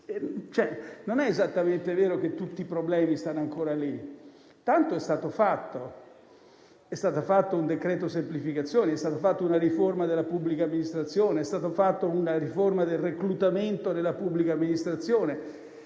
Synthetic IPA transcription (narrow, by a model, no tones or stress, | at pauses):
t͡ʃɛnonɛezat̪ːament̪evɛːɾoket̪ːut̪ːipɾoblɛːmist̪anːoaŋkoːɾali | t̪ant̪oɛst̪aːt̪ofat̪ːo | ɛst̪aːt̪ofat̪ːound̪ekɾɛːt̪osemplifikat̪sːjoːneɛst̪aːt̪ofat̪ːounaɾiformad̪elːapubːlikamːinist̪ɾat̪sːjoːneɛst̪aːt̪ofat̪ːounaɾiformad̪elreklut̪ament̪onelːapubːlikaːmːinist̪ɾat̪sːjoːne